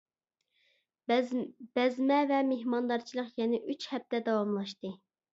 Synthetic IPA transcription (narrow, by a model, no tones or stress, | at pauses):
b̥ɛzmɛvɛmeɦhmɑnd̪ɑɾt͡ʃʰilˠəqjɛnɪʔyt͡ʃhɛp̚t̪ɛd̪ɑwɑmlˠɑʃt̪ɨ